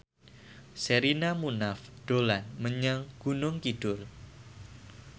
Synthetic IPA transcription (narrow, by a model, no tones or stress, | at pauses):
seɾinamunafd̥olanməɲaŋɡ̥unʊŋkid̥ʊr